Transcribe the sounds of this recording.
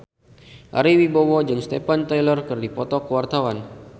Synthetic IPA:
ʔa̰ɾiwibowɔd͡ʒɨŋst̪epant̪ajlərkərdipɔt̪ɔkəwart̪awan

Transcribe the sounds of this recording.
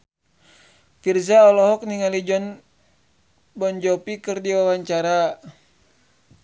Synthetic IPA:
firsaɔlɔɦɔk̚niŋalid͡ʒɔn | bɔnd͡ʒɔpikɨrdiwawaɲt͡ʃaɾa

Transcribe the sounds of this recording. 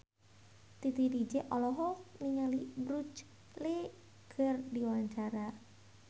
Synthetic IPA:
t̪it̪idid͡ʒeʔɔlɔɦɔniŋalibɾut͡ʃ | le | ɡ̥ərdiwaɲt͡ʃaɾa

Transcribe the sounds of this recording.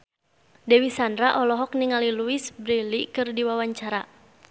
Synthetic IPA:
dɛwisandɾaʔɔlɔɦɔk̚niŋaliluisbɾilikɨrdiwawaɲt͡ʃaɾa

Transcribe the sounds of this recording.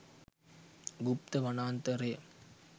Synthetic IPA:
ɡup̚t̪ɐʋɐnaːnt̪ɐɾej

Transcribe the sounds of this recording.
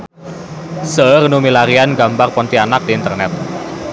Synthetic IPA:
sərnumilaɾianɡambarpɔnt̪ianak̚d̥̪iːnt̪ərnɛt̪̚

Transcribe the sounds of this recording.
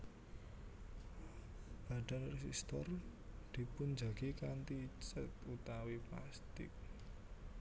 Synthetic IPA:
b̥aɖ̥a̤nrɛsḭst̪ɔrd̪̥i̤pʊnd͡ʒa̤ɡ̥ikant̪it͡ʃət̪̚ut̪awipla̰st̪ɪ̰k̚

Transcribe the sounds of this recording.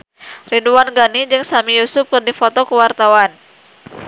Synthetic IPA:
rinduanɡanid͡ʒɨŋsamijusʊp̚kɨrdifɔt̪ɔkəwart̪awan

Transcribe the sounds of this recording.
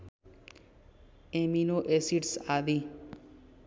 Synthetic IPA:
ẽminoːʔesiʈsaːd̪iː

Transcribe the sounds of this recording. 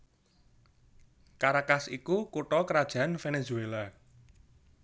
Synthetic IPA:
kaɾakasikukuʈɔkəɾad̥ʒ̥a̤anfenezuela

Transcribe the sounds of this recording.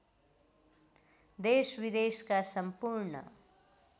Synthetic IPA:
d̪eːʃʋid̪eːʃkasəmpuɾɳə̰

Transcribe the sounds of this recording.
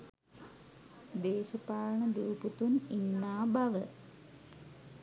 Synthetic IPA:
d̪eːɕɐpaːɻɳɐd̪uːput̪uninːaːbʱɐʋɨ

